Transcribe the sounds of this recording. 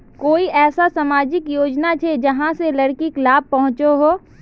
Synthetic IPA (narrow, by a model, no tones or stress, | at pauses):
koːiʔɛːsasamaːd͡ʒɪkjoːd͡ʒnat͡ʃʰed͡ʒɐɦãselɐɽkiklaːb̚pɐɦʊ̃t͡ʃoɦoː